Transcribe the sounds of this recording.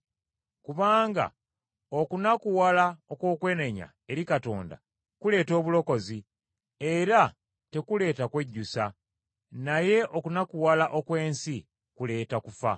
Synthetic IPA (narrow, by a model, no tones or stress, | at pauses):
kuβaːŋɡa̰ | o̞kunakuwalaokwo̞ːkwe̞ːneɲa̰ | e̞ɾikato̞̰ːnda̰ | kule̞ːto̞ːβulo̞ko̞zi | e̞ɾa | te̞kule̞ːtakwe̞ɟːusa | naje̞ʔo̞kunakuwalaʔo̞kwe̞ːnsi | kule̞ːtakufa̰